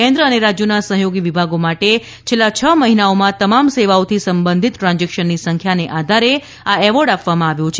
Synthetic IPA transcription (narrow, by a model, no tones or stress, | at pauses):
ẽnd̪ɾəəneɾad͡ʒjonasəɦjoɡiʋibʱaɡomaʈe | t͡ʃʰelːat͡ʃʰəməɦinaomãt̪əmamseʋaot̪ʰisəmbənd̪ʱit̪ʈɾãnd͡ʒɛkʃənːisəŋkʰjaneʔad̪ʱaɾe | aɛʋəɾɖapʋamãaʋjõt͡ʃʰ